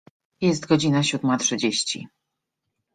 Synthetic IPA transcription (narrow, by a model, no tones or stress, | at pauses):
jɛst̪ɡɔd͡ʑinaɕud̪matʂɘd͡ʑeɕt͡ɕḭ